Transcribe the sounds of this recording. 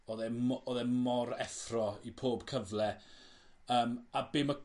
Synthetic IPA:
oːðɛmoðɛmɔɾɛθrɔipʰoːb̥kʰəvlɛ | əːmabeːma

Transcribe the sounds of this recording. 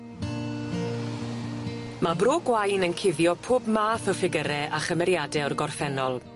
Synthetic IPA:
mabroːɡwajnənkʰɪðjɔpʰoːbmaːθəfɪɡəɾɛʔaχəmɛɾjadɛɔrɡɔrfɛnɔlˠ

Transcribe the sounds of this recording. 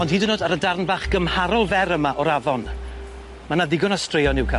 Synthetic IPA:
ɔnd̥hiːdɪnoːdaɾədarnvaːχɡ̥əmhaɾɔlˠvɛɾəmaʔɔɾavɔn | manaðɪɡɔnastrejɔnɪwkʰa

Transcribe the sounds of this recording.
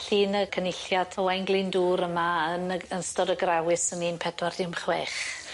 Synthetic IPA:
ɬiːnəkʰənɪɬjadʰɔwajnɡlˠɪnduːɾəmaənəənstɔɾəɡrɛwɪsəniːnpʰɛdward̥ɪmχwɛːχ

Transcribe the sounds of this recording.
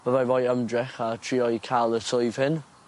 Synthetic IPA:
v̥əvajvɔjəmdrɛχatʰriːɔjkʰalˠəsʊjv̥hɪn

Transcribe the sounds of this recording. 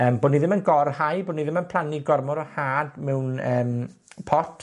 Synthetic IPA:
əːmboːdniðɪmənɡɔrhajboːdniðɪmənpʰlˠaniɡɔrmɔɾɔhaːdmɛwnəːm | pʰɔtʰ

